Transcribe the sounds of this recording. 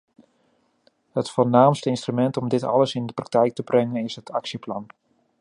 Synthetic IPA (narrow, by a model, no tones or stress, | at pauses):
hətfolnaːmstəɪnstrymɛntɔmdɪtɑ̰ləsɪndəprɑk̚tɛjk̚təbrɛŋənɪsɦətʰɑksjəplɑn